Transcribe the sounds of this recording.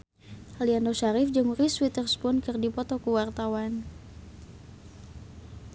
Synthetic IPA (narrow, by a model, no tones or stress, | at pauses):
ʔalianoʃaɾɪfd͡ʒəŋuɾiswit̪ərspunkɨrdipɔt̪ɔkəwart̪awan